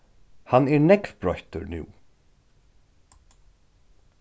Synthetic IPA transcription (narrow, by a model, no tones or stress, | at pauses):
hanɛːɹnɛkvbɾɔht̪əɹnʉ̰ː